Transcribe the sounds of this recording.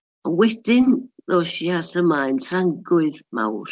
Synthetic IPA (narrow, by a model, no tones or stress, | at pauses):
ɔwɛd̥ɪnðoʃjasəmaɨntʰraŋɡʊɨðma̰wr